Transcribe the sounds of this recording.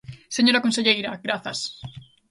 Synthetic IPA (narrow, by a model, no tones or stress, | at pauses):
seɲo̞ɾakonseʎejɾaɡɾaθas